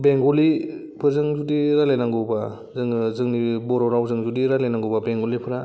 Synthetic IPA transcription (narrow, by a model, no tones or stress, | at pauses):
beŋɡɔli | pʰɯɾzɯŋzudiɾalenaŋɡuba | zɯŋɯzɯŋnibɔɾɔɾawzɯŋzudiɾalenaŋɡubabeŋɡɔlipʰɯɾa